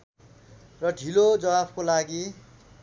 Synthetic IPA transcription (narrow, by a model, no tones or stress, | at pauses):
rʌɖʱilod͡zʌwabʰkolaɡi